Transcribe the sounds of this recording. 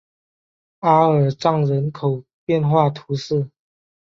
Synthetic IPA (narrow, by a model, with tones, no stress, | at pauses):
a˦ə˨˩ʈ͡ʂɑ˥˩ŋɻə˧˥nkʰo˨˩ʊpjɛ˥˨nxwa˥˨t̪ʰu˧˥s̩˥˨